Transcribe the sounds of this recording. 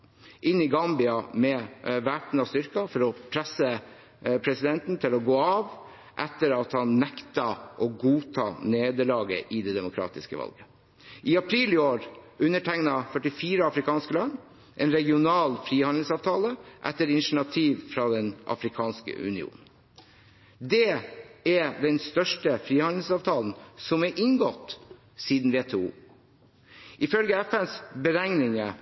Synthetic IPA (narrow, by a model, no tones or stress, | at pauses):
ʔɪnːɪɡɑmbɪɑmɛʋæʈn̩ɑst̪ʏɾkɑfɔɾɔpʰɾɛsə | pʰɾɛsɪd̪ɛnt̪n̩t̪ʰɪlɔɡoːɑːʋ | ʔɛt̪ːəɾɑt̪hɑnːɛkt̪ɑʔɔɡuːt̪ʰɑ̰ːneːd̪əɭɑːɡə̰ʔɪd̪ɛd̪ɛmʊkʰɾɑ̰ːt̪ɪskə̰ʋɑ̰lɡə | ʔɪɑpʰɾiːlɪoːɾʉnːəʈʰæŋnɑfœʈɪfiːɾəɑfɾɪkʰɑːnskəlɑnː | ʔɛːnɾɛɡɪʊnɑːlfɾiːhɑnd̪l̩sɑːʋt̪ʰɑːləʔɛ̰t̪ːəɾɪnʂəɳɑt̪ʰiːʋfɾɑd̪ɛnʔɑ̰fɾɪkʰɑːnskə̰ʉ̰nɪṵːnn̩ | d̪ɛɛd̪ɛnst̪œʂʈəfɾiːhɑnd̪l̩sɑːʋt̪ʰɑːln̩sɔmɛʔɪŋɡɔt̪ː | siːd̪n̩ʋeːt̪ʰeṵː | ʔɪfœlɡəæfɛnsbəɾæŋnɪŋə